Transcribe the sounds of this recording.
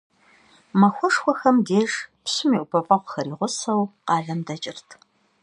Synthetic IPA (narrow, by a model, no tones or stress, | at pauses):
mɐxʷɔʂxʷɔxɐmdeːʂpsʊmiːʔʷʊpʰɐpʼɐqʷʊxɐɾiːʁʷʊsɐwqɑːɮɐmdɐt͡ʃʼɪrtʰ